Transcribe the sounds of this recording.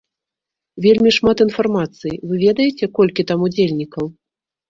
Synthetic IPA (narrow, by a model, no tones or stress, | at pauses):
vʲelʲmʲiʂmat̪in̪farmat̪sɨjivɨvʲɛd̪ɐjɛt͡sʲɛkɔlʲkʲit̪amud͡zʲelʲnʲikɐw